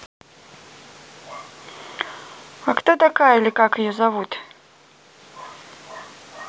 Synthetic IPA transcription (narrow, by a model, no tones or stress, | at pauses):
akt̪ot̪akajəlʲikakɨjɔzavut̪